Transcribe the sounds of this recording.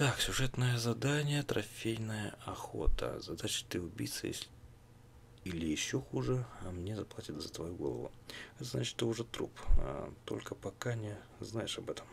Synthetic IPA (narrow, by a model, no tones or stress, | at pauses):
t̪aksʲʊʐɛt̪nəjəzɐd̪anʲɪjət̪ɾɐfʲejnəjəɐxo̞̰t̪ə̰zɐd̪at͡ɕɪ̥t̪ɨʊbʲḭt̪sə̰jḛsʲ | ilʲɪjɪɕːo̞xuʐɨɐmnʲezɐplˠatʲɪt̪zət̪vɐjuɡo̞lˠə̰vʊ̰ɛt̪əza̰t͡ɕɪ̥t̪t̪ːɨʊʐɛt̪ɾṵpt̪o̞̰lʲkəpɐkanʲɪ | znajɪʂɐbɛt̪əm